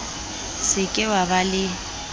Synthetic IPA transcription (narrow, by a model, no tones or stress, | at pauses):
sɪkʼɪwabalɪ